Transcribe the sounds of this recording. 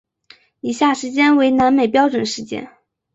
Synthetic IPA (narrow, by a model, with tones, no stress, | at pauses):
i˨˩ɕja˥˩ʂɻ̩˧˥t͡ɕjɛ˥nwe˧˥ɪna˧˥nme˨˩ɪpjɑ˥ʊʈ͡ʂwə˨˩nʂɻ̩˧˥t͡ɕjɛ̰˥n